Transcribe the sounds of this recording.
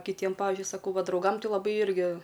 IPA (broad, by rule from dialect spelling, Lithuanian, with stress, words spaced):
kʲɪˈtʲiɛm ˈpɑːʋʲɪzʲd͡ʒʲʊɪ sɐˈkɐʊ ˈʋɐ drɐʊˈɡɐm ˈtʲɪ lˠɐˈbɐɪ ˈɪrʲɡʲɪ